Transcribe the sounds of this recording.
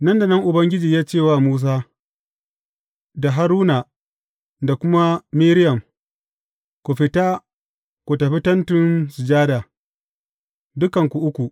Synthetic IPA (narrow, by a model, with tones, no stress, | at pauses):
nɐ˦nda˨nɐ˦ŋʔʊ˨bɐ˦ŋɡʲɪ˦d͡ʒiː˨jaː˦t͡ʃeː˦˨waː˦muː˦s̬aː˦ | da˨ɦa˦ɾuː˦na˨ | da˨kʷʊ˦ma˦miː˦ɾɪ˦jɐ˨m | kʷu˨ɸɪ˨taː˦ | kʷu˨tɐ˨ɸɪ˦tɐ˦ntɪ˦nsɪ˨d͡ʒaː˦daː˨ | dʊ˦kɐ˨ŋkʷu˨ʔʊ˦kʷu˨ʔ